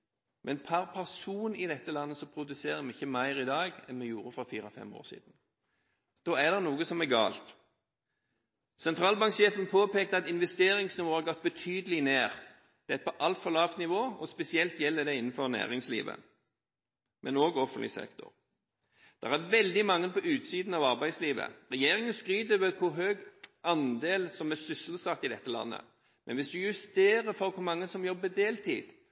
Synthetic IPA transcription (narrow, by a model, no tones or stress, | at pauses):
mʔɛnpʰɑʁpʰæʁsuːnɪd̪ɛt̪ːəlɑnːəsɔpʰɾʊd̪ʉseːʁəmɛɪçːəmæɪɾɪd̪ɑːɡɛ̰nmɛjuːɾəfɾɑfiːɾɑfɛ̰mo̰ːɾsḭːd̪n̩ | d̪̥oːæd̪ɛʁnuːɡəsɔmɛɡɑ̰ːlt̪ | sɛnt̪ʰɾɑːlbɑŋkʃeːfənpʰoːpeːkt̪əɑt̪ɪnʋɛst̪eːɾɪŋsnɪʋoːɑɡɔt̪̚ːbət̪ʰyːd̪əlɪneːʁ | d̪̥ɛt̪̚pʰɔʔɑlt̪fɔɾʁlɑːft̪nɪʋoːɔspɛsɪɛlt̪jɛlːəd̪ɛɪnːənfɔɾnæ̰ːʁɪŋslḭːʋə̰ | mɛnoːɡɔfənt̪lɪ̰sɛ̰kt̪ʊ̰ɾ | d̪̥ɛʁæɾʋɛld̪ɪmɑŋːənpɔʉːt̪siːd̪n̩ɑʋɑɾbæɪd̪sliːʋə̰ɾɛjeːɾɪŋənskɾyːd̪ʋəkʰʊɾɦøːɡɑnd̪eːlsɔmæsʏsl̩sɑt̪ːɪd̪ɛt̪ːəlɑ̰nːə̰ | mɛ̰nʋɪsd̪ʉjʉst̪eːɾəfɔɾkʰʊɾmɑŋːəsɔmjɔbːəd̪eːlt̪ʰḭːd̪̥